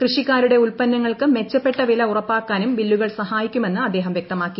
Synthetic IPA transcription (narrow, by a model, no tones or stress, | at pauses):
krɨʂikːaːɾuɽe̞ulpɐnːɐŋːɐɭkɨme̞t͡ɕːɐpːe̞ʈːɐʋilɐurɐpːaːkːaːnumʋilːuɣɐɭsɐhaːjikʲːume̞nːɨɐd̪ːe̞ːɦɐmʋjek̚t̪ɐmaːkːi